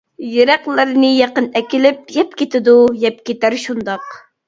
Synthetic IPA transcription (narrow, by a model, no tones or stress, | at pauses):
jeɾæqlˠɪɾɪnɪjɑqənɛkʲilɪp̚jɛp̚kʲet̪ɪd̪ujɛp̚kʲʰet̪æɾʃund̪ɑq